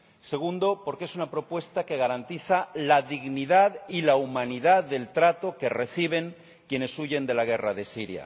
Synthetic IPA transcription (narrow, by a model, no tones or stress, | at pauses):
se̞ɣ̞und̪o̞po̞ɾkee̞sunapɾo̞pwe̞st̪ake̞ɣ̞aɾant̪iθalaðiɣniðaðilaumãniðaððe̞lt̪ɾat̪o̞ke̞re̞θiβ̞e̞ŋ | kje̞ne̞suʝe̞nd̪e̞laɣ̞e̞raðe̞siɾja̰